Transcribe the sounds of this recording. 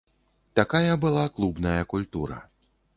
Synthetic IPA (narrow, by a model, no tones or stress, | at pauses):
t̪akajɐbɨlˠaklˠubnɐjɐkulʲt̪uɾɐ̰